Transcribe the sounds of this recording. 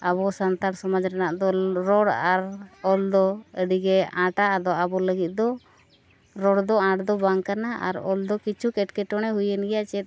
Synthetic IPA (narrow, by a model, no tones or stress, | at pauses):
aβɔsant̪aɾsɔmɔd͡ʒɾɛnaʔd̪ɔɾɔɽaɾɔld̪ɔəɖiɡɛãʈaːd̪ɔabɔləɡit̪̚ˀd̪ɔ | ɾɔɽd̪ɔãʈd̪ɔbaŋkanaʔa̰ɾɔ̰ld̪ɔkit͡ʃʰukɛʈkɛʈɔɽ̃ɛɦujənɡɛjaʔt͡ʃɛt̪̚